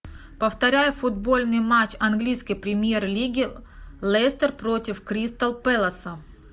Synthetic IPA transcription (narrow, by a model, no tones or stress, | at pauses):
pəft̪ɐɾʲæjʊfʊd̪̚bo̞lʲnɨjmat͡ɕɐnɡlʲijskəjpɾʲɪmʲje̞rlʲiɡʲɪlˠɛst̪ərpɾo̞tʲɪfkɾʲist̪ɐlˠpɛlˠɐsə